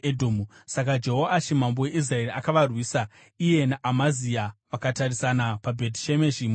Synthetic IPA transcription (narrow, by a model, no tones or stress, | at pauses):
edʱomusakad͡ʒeɦoaʃimambowe̞ʔis̬rae̞riakaʋarwiːsa | ije̞naʔamaziaʋakatarisanapabʱetʃemeʃim